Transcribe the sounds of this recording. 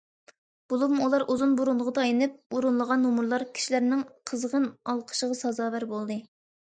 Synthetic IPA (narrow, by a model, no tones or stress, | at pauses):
b̥ulˠupmulˠɑɾʔuzunbuɾunlˠəʁəd̪ɑɑjinɨp̚uɾunlˠəʁɑnːumuɾlˠɑɾkʲʰi̥ʃilæɾnɪŋqʰəzʁənɑlˠqʰə̥ʃəʁɑsɑzɑːvæɾbolˠd̪ɨ